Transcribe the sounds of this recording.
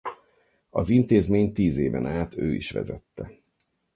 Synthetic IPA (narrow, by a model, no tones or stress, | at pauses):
ɒzint̪eːzmeːɲt̪iːzeːvɛnaːt̪ʰø̰ːiʃʋɛ̰zɛt̪ːɛ